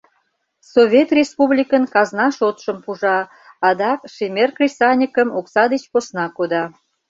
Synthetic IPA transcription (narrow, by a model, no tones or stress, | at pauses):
soβʲet̪rʲespublʲikənkɑznɑʃot̪ʃəmpuʒɑ | ɑd̪ɑkʃemʲerkrʲisɑnʲikəmoksɑd̪et͡ɕposnɑkod̪ɑ